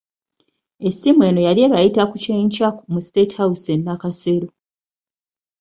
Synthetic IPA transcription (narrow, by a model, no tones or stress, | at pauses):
e̞sːimwe̞ːno̞jalieβajitakuceːɲcakumustetawusenːakaseɾo